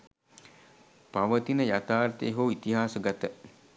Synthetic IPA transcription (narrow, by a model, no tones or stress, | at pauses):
paʋət̪inəjat̪aːɾt̪eːɦoːit̪iɦaːsəɡat̪ə